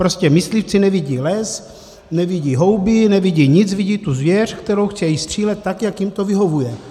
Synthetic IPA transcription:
pɾoscɛmɪslift͡sinɛviɟiːlɛs | nɛviɟiːɦo̞wbɪnɛviɟiːɲɪt͡sviɟiːt̪uzvjɛr̝̥kt̪ɛɾowxt͡sɛjist̪r̝̥iːlɛt̪̚ːakjakjimt̪ovɪɦo̞vujɛ

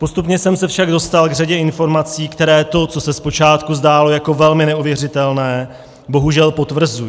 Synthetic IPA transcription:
po̞st̪upɲɛsɛmsɛfʃaɡdo̞st̪alɡraɟɛɪnfo̞ɾmat͡siːkt̪ɛɾɛːt̪o̞t͡so̞sɛspo̞t͡ʃaːt̪kuzdaːlo̞jako̞vɛlmɪnɛuvjɛrɪt̪ɛlnɛː | bo̞ɦuʒɛlpo̞t̪vr̩zuji

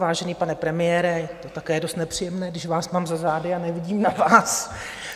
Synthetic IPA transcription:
vaːʒɛniːpanɛpɾɛmɪjɛːɾɛjɛt̪o̞t̪akɛːjɛdo̞st̪nɛpr̝̥ijɛmnɛːɡdɪʃvaːsmaːmzazaːdɪanɛvɪɟiːmnavaːs

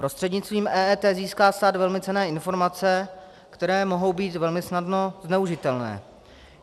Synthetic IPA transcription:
pɾo̞st̪r̥ɛdɲɪt͡st̪viːmʔɛːʔɛt̪ɛːziːskaːst̪aːt̪vɛlmɪt͡sɛnɛːɪnfo̞ɾmat͡sɛ | kt̪ɛɾɛːmo̞ɦo̞wbiːt̪vɛlmɪsnadno̞znɛuʒɪt̪ɛlnɛ̰ː

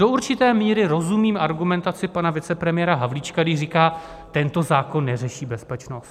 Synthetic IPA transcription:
doʔuɾt͡ʃɪt̪ɛːmiːɾɪɾo̞zumiːmʔaɾɡumɛnt̪at͡sɪpanavɪt͡sɛpɾɛmɪjɛːɾaɦavlit͡ʃkaɡdɪʃrikaː | t̪ɛnt̪o̞zaːko̞nːɛrɛʃiːbɛspɛt͡ʃno̞st̪

